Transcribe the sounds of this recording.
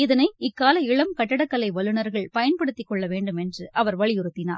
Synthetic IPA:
ɪðɐnɐɪɪkːaːlɐɪɭɐmkɐʈːɐɽɐkːɐlɐɪʋɐlɯnɐɾɣɐɭpɐjɐnpɐɽɯt̪ːɪkːɔɭːɐʋeːɳɖɯmɛndrɯʔɐʋɐɾʋɐɭɪjɪɾɯt̪ːɪna̰ːɾ

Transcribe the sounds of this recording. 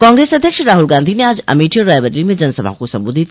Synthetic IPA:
kãːŋɡɾeːsɐd̪ʱjəkʃɾaːɦulɡãːnd̪ʱineaːd͡ʒɐ̰miːʈijoɾaːjʋəɾlimẽd͡ʒɐnsɐbʱa̰kosɐ̃mboːd̪ʱit̪

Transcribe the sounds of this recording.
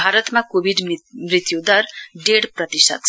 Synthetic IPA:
bʱaɾʌt̪makobʱiɖmrit̪jud̪ʌrɖeɽprʌt̪isʌ̰t̪̚ʰ

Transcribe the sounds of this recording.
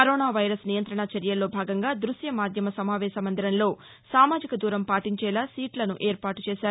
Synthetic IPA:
kɐɾoːnaːʋɐjɾɐsnijɐnt̪ɾɐɳɐt͡ʃɐɾjɐlo̞ːbʱaːɡɐŋɡaːd̪ɾusjɐmaːd̪ʱjɐmɐsɐmaːʋɛːʃɐmɐnd̪ɐɾɐnlo̞ː | saːmaːd͡ʒikɐd̪uːɾɐmpaːʈiɲt͡ʃɛːlaːsiːʈlɐnuʔeːɾpaːʈu̥t͡ʃɛːʃaːɾu

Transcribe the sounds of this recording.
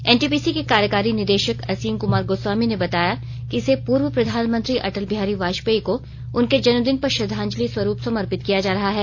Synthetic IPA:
ɛːnʈiːpiːsikekaːɾjəkaːɾinɪɾd̪eːʃəkɐsiːmkʊmaːɾɡoswaːminebɐt̪aːja | kiɪsepuːɾʋəpɾɐd̪ʱaːnmə̃nt̪ɾiʔɐ̰ʈəlbʱijaːɾiʋaːʃpeːiko | ʊnked͡ʒɐnməd̪ɪnpɐɾʃɐd̪ʱãːɲd͡ʒliswɐɾuːpsɐməɾpɪt̪kijad͡ʒaːɾɐɦaɦɛː

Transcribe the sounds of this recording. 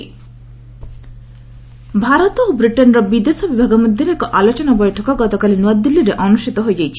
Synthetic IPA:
bʱaɾɔt̪obɾiʈenɾɔbid̪esɔbibʱaɡɔmod̪ʱjoɾɛkɔʔalot͡ɕɔnabɔjʈʰɔkɔɡɔt̪okalinuad̪ilːiɾeʔɔnuʃʈʰit̪ɔɦoed͡ʑajt͡ɕʰi̥

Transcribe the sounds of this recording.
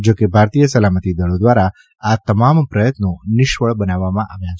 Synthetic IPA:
d͡ʒokebʱaɾt̪ijəsəlamət̪id̪əɭod̪ʋaɾa | at̪əmampɾəjət̪nonɪʃʋəɭbənaʋːamãʔaʋjãt͡ʃʰe

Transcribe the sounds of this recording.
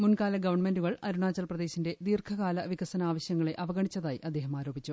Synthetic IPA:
munkaːlɐɡɐʋɐɳme̞nduɣɐɭɐɾuɳaːt͡ɕːɐlprɐðe̞ːɕinde̞d̪iːrkʰɐɣaːlɐʋikɐsɐnaːʋɐɕjɐŋːɐɭe̞ʔɐʋɐɣɐɳit͡ɕːɐðaːjiʔɐd̪ːeːɦɐmaːɾo̞ːbʱit͡ɕːu

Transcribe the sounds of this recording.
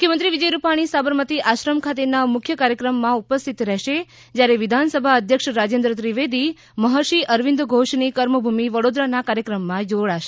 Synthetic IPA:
mʊkʰjəmənt̪ɾiʋid͡ʒəjɾupaɽ̃isabəɾmət̪iʔaʃɾəmkʰat̪enamʊkʰjəkaɾjəkɾəmːãupəst̪ʰit̪ɾɛɦʃe | d͡ʒjaɾeʋid̪ʱansəbʱaəd̪ʱjəkʃɾad͡ʒẽnd̪ɾət̪ɾiʋed̪i | məɦəɾʃiʔəɾʋĩnd̪ɡʱoʃnikəɾməbʱumiʋəɽod̪ɾanakaɾjəkɾəmːãd͡ʒoɽaʃe̥

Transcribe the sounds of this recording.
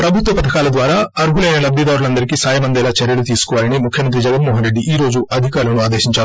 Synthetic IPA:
pɾɐbʱut̪ʋɐpɐd̪ɐkaːlɐd̪ʋaːɾaːɐɾuɦulɐjnɐlɐbʱːid̪aːɾulɐnd̪ɐɾikiːsaːjɐmɐnd̪ɛːlaːt͡ʃɐɾjɐlut̪iːsu̥kɔʋaːlɐnimukʰjɐmɐnt̪ɾid͡ʒɛɡɐnmɔːɦɐnɾeɖːiʔiːɾo̞ːd͡ʒuɐd̪ʱikaːɾulɐnuaːd̪eːʃiɲt͡ʃaːɾu

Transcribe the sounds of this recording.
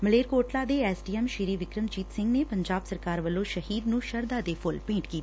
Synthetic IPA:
məleːɾkoːʈlaːd̪eːɛːsɖiːɛmʃɪɾiːʋɪkɾəmd͡ʒiːt̪sɪ̃ŋɡneːpəɲd͡ʒaːbsəɾkaːɾʋəlːõːʃəhiːd̪nũːʃəɾd̪aːd̪eːpʰʊlpẽːʈkiːt̪aː

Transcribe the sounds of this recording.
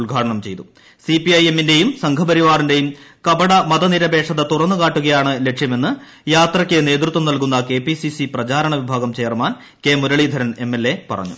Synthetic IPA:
ɭɡʱaːʈɐɳɐmt͡ɕe̞jt̪u | sipiɐjemːinde̞jumsɐŋɡʰʱɐpɐɾiʋaːrinde̞jumkɐbɐɽɐmɐðɐniɾɐbe̞ːkʂɐðɐt̪urɐnːɨkaːʈːuɣɐjaːɳɨle̞kʂjɐme̞nːɨ | jaːt̪rɐkʲːene̞ːd̪rɨt̪ːʋɐmnɐlkunːɐke̞ːpisisiprɐt͡ɕaːɾɐɳɐʋibʱaːɣɐmt͡ɕeːrmaːn | ke̞ːmuɾɐɭid̪ʱɐɾɐne̞mːe̞lːe̞pɐ̰rɐ̰ɲːṵ

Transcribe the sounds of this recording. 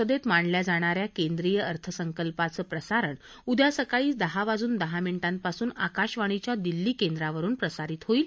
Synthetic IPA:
əd̪et̪maɳljad͡zaɽ̃aɾjakend̪ɾijəəɾt̪ʰəsəŋkəlpat͡səːpɾəsaɾəɳ | ud̪ʱjasəkaɭiːt͡sd̪əɦaʋad͡zuːnd̪əɦamiɳʈãn̚pasuːnakaɕʋaɽ̃it͡ɕjad̪ilːiːkend̪ɾaʋəɾuːnpɾəsaɾiːt̪ɦoiːl

